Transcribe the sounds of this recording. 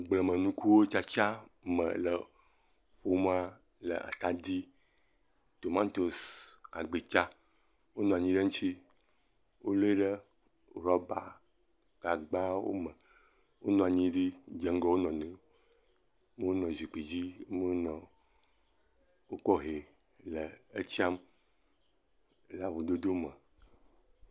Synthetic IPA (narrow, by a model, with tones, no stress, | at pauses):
ɡ͡blə˨mə̃˨nũ˦ku˦wo˦t͡ʃa˦t͡ʃa˦mə̰̃˨lə̰˨ | ɸo˦m˦a˦ | lə̰˨a̰˨t̪a˨d̪i˦ | t̪o˨mã˦t̪o˨sa̰˨ɡ͡be˨t͡ʃa˦ | wo˦nɔ̃˨a˨ɲĩ˦ɖə˦ŋ̩ũ˦t͡ɕi˦ | wo˦lo˦e˦ɖə˦ | ɾɔ˦ba̰˨ | ɡ̥a˨ɡ͡ba˦wo̰˦mɛ̃˨ | wo˦nɔ̃˦˨a˨ɲĩ˦ɖi˦d͡ʒɛ˨ŋ˦ɡɔ˦wo˦nɔ̃˨nĩ˨˦ | me˦wo˦nɔ̃˨zi˨k͡pi˨d͡ʑi˦me˦o˦nɔ̃˨ | wo˦kɔ˦ɦe˨ | le˨e˦t͡ɕi˦a˦m | la˨vu˨d̪o˦d̪o˦mə˨